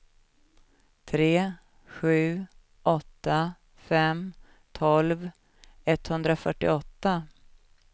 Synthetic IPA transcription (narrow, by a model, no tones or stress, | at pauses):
t̪ʰɾeː | ɧʉ̟ː | ʔɔt̪ːa | fɛm | t̪ʰɔlv | ɛt̪ːhɵnd̪ɾafœʈːɪ̰ɔt̪ːa